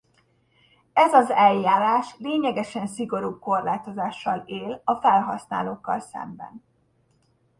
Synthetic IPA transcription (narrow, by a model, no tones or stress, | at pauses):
ɛzɒzɛlːaːɾaːʃleːɲɛɡɛʃɛnsiɡo̞ɾub̚ko̞rlaːt̪o̞zaːʃːɒleːlɒfɛlɦɒsna̰ːloːkːɒ̰lsɛ̰mbɛ̰n